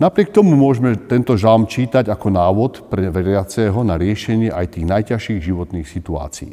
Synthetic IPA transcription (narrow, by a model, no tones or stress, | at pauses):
napɾɪɛk̚t̪ɔmumʊɔʒmɛt̪ɛnt̪ɔʒalmt͡ʃiːt̪aɟakɔnaːʋɔt̪pɾɛʋɛɾɪat͡sɛɦɔnaɾɪɛʃɛɲɪɛʔajt̪iːɣnajcaʃiːɣʒiʋɔt̪niːxsit̪ua̰ːt͡siḭː